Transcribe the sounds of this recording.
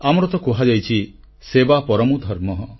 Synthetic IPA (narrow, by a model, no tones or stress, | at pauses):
amɔɾɔt̪ɔkoɦad͡ʒajt͡ʃʰi | sebapɔɾɔmud̪ʱɔɾmɔɦɔ